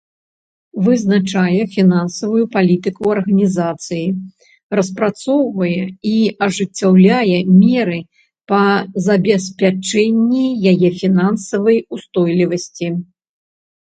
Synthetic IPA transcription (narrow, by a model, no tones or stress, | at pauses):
vɨznat͡ʂajɛfʲinansɐvujupalʲit̪ɨkuɐrɣɐnʲizat̪sɨji | rɐspɾat̪sɔwvɐjɛiɐʐɨt͡sʲːawlʲajɛmʲɛɾɨ | pɐzɐbʲɛsʲpʲat͡ʂɛnʲːijajɛfʲinansɐvɐjust̪ɔjlʲivɐsʲt͡sʲi